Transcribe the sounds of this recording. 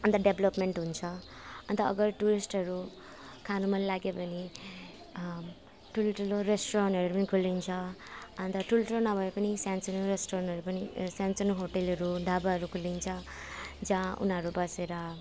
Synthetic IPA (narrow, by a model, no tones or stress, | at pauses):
ʌnt̪ʌɖeblʌpmeɳʈɦunt͡sʰʌʌnt̪ʌ̰ːɡʌɾʈuɾisʈʌɾu | kʰanumʌnlaɡjepʌni | ʈʰuloʈʰuloɾesʈoɾanʈɦʌɾuɾupʌnikʰulint͡sʰʌʌnt̪ʌʈʰuloʈulonʌbʱʌepʌnisjansʌnuɾesʈoɾanɦʌɾupʌnisansʌnuɦoʈelʌɾuɖʱabaɦʌɾukʰulint͡sʰʌ | d͡zãṵnʌɾubʌseɾʌ